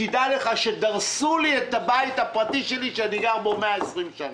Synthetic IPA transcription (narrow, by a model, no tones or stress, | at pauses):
idale̞χaʃedaʁsuliet̪abait̪hapʁatiʃeliʃeaniɡaʁboomeaesʁimʃana